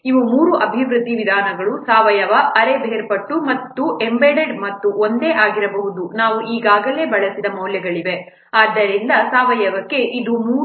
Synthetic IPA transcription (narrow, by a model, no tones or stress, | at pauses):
iʋumuːɾuʔɐbʱiʋɾud̪ʱːiʋid̪ʱaːnɐɡɐɭusaːʋɐjɐʋɐɐɾebʱeːɾpɐʈːumɐt̪ːuʔembeɖeɖmɐt̪ːuond̪e̞ːʔaːɡiɾɐbɐɦud̪unaːʋuʔiːɡaːɡɐle̞ːbɐɭɐsid̪ɐmɐwljɐɡɐɭiʋe̞ | aːd̪ːɐɾind̪ɐsaːʋɐjɐʋɐkːe̞ʔid̪umuː